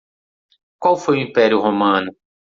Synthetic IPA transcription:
kwawfojʊĩpɛɾiʊhomɐ̃nʊ

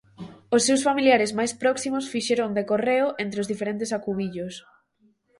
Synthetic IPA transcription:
ʊsːewsfamiliaɾɪzmajspɾɔksimʊsfiʃeɾond̪ekoreʊʔent̪ɾeozðifeɾẽnt̪ɪsakuβiʎʊs

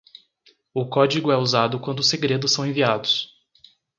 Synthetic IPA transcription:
ʊkɔd͡ʒiɡʊɛuzad̪ʊkwɐ̃nd̪ʊseɡɾed̪ʊsːɐ̃w̃ẽviad̪ʊs

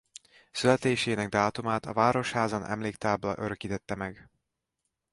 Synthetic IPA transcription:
sylɛt̪eːʃeːnɛɡ̚d̪aːt̪umaːt̪ɒ̰vaːɾo̞ʃhaːzɒnɛ̰mleːkt̪aːblɒ̰ʔøɾøkiːt̪ɛt̪ːɛmɛɡ

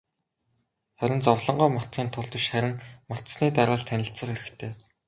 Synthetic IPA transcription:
χæɾʲɪ̆nt͡sɔwɮɞ̆ɴɢɔːmɔ̥t̪̚ɢiːnt̪ʰʊɮt̪ə̆ʃχæɾʲɪ̆ŋmɔ̥t̪sniːt̪aɾʁaːɮt̪ʰːænʲɪ̆ɬt͡sə̆χeɾɘ̆xt̪ʰeː

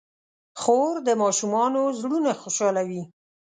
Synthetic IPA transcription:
xoɾd̪əmɑʃumɑnozɽunaxoʃɑlawi

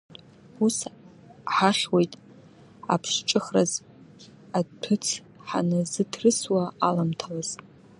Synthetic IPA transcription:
us | ħaχʲwejtʼ | a̰pʰʂt͡ʃʼɨχraz | atʰɨt͡sʰ | ħa̰nɨzɨtʰrɨswaalamtʰalaz̥ʼ

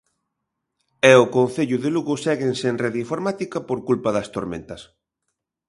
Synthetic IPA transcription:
ɛʊkõnθeʎʊðɪluɣʊsɛɣensenreðiɱfoɾmat̪ikɐpoɾkulpɐðɐst̪oɾmḛ̃nt̪ɐs

